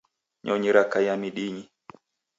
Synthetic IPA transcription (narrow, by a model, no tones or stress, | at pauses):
ɲʔɔɲiɾakajamiɗiɲi